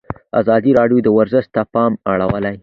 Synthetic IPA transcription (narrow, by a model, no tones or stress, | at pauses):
a̰zɑd̪iɾɑɖjod̪əwaɾzəʃt̪apɑmaɽawəlaj